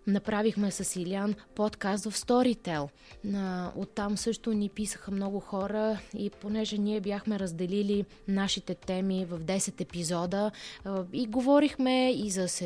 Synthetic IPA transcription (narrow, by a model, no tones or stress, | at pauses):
nɐpɾavixmɛsɐsilianpɔt̪kast̪vɐfst̪ɔɾit̪ɛlˠ | o̰t̪ːamsɤʃt̪ʊnipisə̥xəmnɔɡʊxɔɾəiponɛʒɛniɛbjaxmɛɾəzd̪ɛlili | naʃit̪ɛt̪ɛmivɐvd̪ɛsɛt̪ɛpizɔd̪ə | iɡovɔɾixmɛizɐs